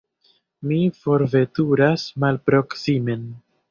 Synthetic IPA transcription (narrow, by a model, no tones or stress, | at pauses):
mifo̞ɾve̞tuɾasmalpɾo̞ksime̞n